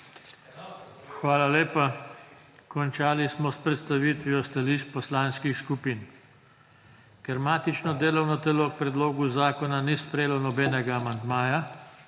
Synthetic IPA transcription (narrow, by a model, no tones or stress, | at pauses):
xʋaːlaleːpa | kɔnt͡ʃaːlismɔspɾɛt̪st̪aʋiːt̪ʋijɔst̪aliʃt͡ʃpɔslaːnskixskupiːn | kɛɾmaːt̪it͡ʃnɔd̪eːlɔwnɔt̪ɛloːk̚pɾɛd̪loːɡuzaːkɔnanispɾɛjeːlɔnɔbɛːnɛɡaːmand̪maːja